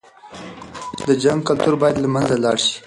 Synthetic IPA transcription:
d̪əd͡ʒaŋɡ̚kalt̪uɾbɑjad̪lamanzalɑɽʃi̥

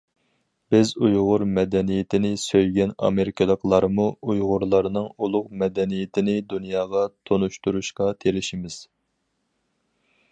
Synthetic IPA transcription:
b̥ɪzujʁʊɾmɛd̪ɛnijɪt̪ʰɪnɪsøjɡʲɛnɑ̰meɾɪkʲʰɨlˠəqlˠɑɾmuujʁʊɾlˠɑɾnɨŋulˠʊqmɛd̪ɛnijɪt̪ʰɪnɪd̪unjɑːʁɑt̪ʰonuʃt̪uɾuʃqɑt̪ʰeɾɪʃimɪz̥

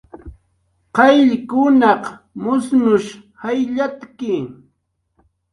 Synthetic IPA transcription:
qɑjʎkʊnɑq | mʊsnʊʃhajʎat̪kɪ

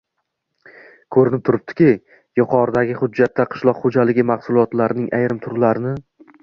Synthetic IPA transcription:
kʰɵɾɪnɪp̚t̪ʰʊɾɪp̚t̪ʰɪ̥kʲɪ | jʊqʰɒɾd̪aɡʲɪχʊd͡ʒːat̪ːaqʰɨ̥ʃlˠɒqχod͡ʒalɪɡʲɪmaχsʊlˠɒt̪laɾɪnɪŋʔajɾɪmt̪ʰʊɾlaɾɪnɪ

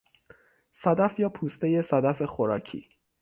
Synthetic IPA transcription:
sæd̪æfjɒːpʰuːst̪eje̞sæd̪æfe̞xoɾɒːcʰḭː

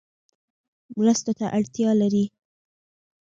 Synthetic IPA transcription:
mɾəst̪ot̪aʔaɽt̪jɑlaɾi

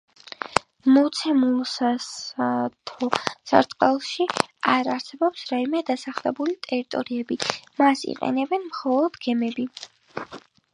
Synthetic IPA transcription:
mɔt̪sʰɛmulˠsast̪ʰɔsa̰ɾt̪ʼqʼɛlˠʃiaɾaɾsɛbɔpsɾaimɛd̪asaχlɛbulit̪ʼɛɾit̪ʼɔɾiɛbimasḭqʼɛ̰nɛbɛnmχɔlˠɔd̪ɡɛmɛbi

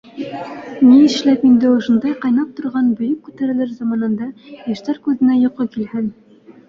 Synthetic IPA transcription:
minɘ̆ʃlæpind̪ɘŏʃŏnd̪ɑjqɑjnɑp̚t̪ŏɾʁɑnbɵ̆jɵk̚kːʉt̪æɾɘ̆lɘɾzɑmɑnɤ̆nd̪ɑjæ̆ʃt̪æɾkʉðɘ̆næjŏqɤkilhɘn

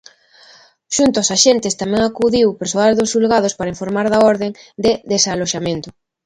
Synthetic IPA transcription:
ʃunt̪ʊosaʃent̪ɪst̪amɛ̃ŋakuðiwpeɾswald̪osʃulɣað̞ospaɾaĩɱfoɾmaɾðaɔɾðeŋd̪eðesaloʃamẽnt̪ʊ

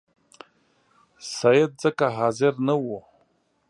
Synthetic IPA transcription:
sajed̚d͡zakʼaɦaːzɪrnɨwo

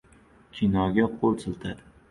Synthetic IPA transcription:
kʲʰinɒɡʲaqʰolˠsʰɨlˠt̪ʰad̪

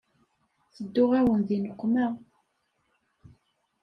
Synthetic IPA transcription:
θəd̪ːʊʁæwənðinəqʷːmæ

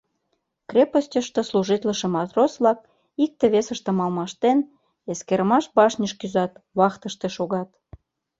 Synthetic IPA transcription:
krʲepəsʲtʲəʃt̪esluʒit̪ləʃĕmɑt̪rosβlɑk̚ | ik̚t̪eβesəʃt̪ĕmɑlmɑʃt̪en | eskeɾəmɑʃbɑʃnʲəʃkyzɑt̪βɑxt̪əʃt̪eʃoɣɑt̪

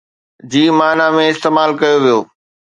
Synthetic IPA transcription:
d͡ʑiːmaːnamẽɪst̪eːmaːlkɐjoʋijoː

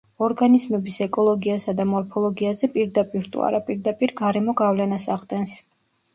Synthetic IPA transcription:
ɔɾɡanizmɛbisɛkʼɔlˠɔɡiasad̪amɔɾpʰɔlˠɔɡiazɛpʼiɾd̪apʼiɾt̪ʼṵa̰ɾapʼiɾd̪apʼiɾɡaɾɛmɔɡavlɛnasaʁd̪ɛns

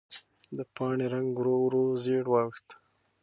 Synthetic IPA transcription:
d̪əpɑːɳeɾaŋɡɡɾowɾozeɽwɑxt̪

